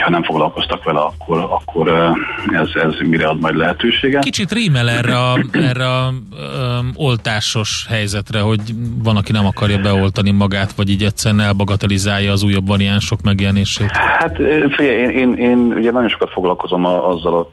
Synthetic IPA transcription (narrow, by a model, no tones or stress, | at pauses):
hɒnɛɱfoɡlɒlko̞st̪ɒkʋɛlɛɒkʰːo̞ɾɒkʰːo̞ɾɛzɛzmiɾɛɒd̪mɒjd̪lɛɦɛt̪øːʃeːɡɛkit͡ʃit̪riːmɛlɛrːɛɒɛrːɛɒ | o̞lt̪aːʃo̞ʃhɛjzɛt̪rɛɦo̞ɟvɒnɒkinɛmɒkɒrjɒbɛo̞lt̪ɒnimɒɡaːt̪ʋɒɟiːɟɛtsɛɾɛnɛlbɒɡɒt̪ɒlizaːjːɒːzuːjːɒbːɒɾiaːnʃo̞kmɛɡjɛlɛneːʃeːt̪hat̪ːfiɟɛjeːneːneːnṵɟɛnɒɟjo̞nʃokɒt̪fo̞ɡlɒlko̞zo̞mɒzːɒlo